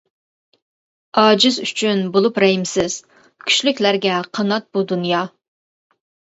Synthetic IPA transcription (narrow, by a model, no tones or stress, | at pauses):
ɑːd͡ʒɪzy̰t͡ʃʰynbolˠupɾɛɦimsɪz̥ | kʲʰy̥ʃlykʲlæɾɡʲɛqʰɑnɑt̪̚bud̪unjɑ